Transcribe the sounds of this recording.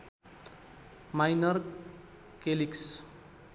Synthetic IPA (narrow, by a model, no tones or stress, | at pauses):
majnʌrk | keliks